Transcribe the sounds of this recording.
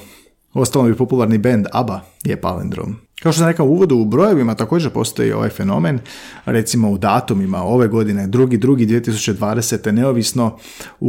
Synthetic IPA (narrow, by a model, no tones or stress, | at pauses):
o̞st̪alobipo̞pulˠaɾnibend̪aba | jḛpa̰lḛnd̪ɾo̰m | kaot̪os̬amɾekamuːʋo̞d̪uːbɾo̞je̞ʋimat̪ako̞ːd͡ʒeɾpo̞̰st̪o̞̰jḭo̞̰ʋa̰jfe̞no̞̰me̞nɾe̞t̪simo̞ud̪aːt̪umima̰o̞ʋe̞ɡo̞d̪ine̞d̪ɾuɡid̪ɾuɡid̪ʋie̞t̪isu̥t͡ɕe̞d̪ʋaːd̪ese̞t̪e̞ne̞oʋisno̞ | u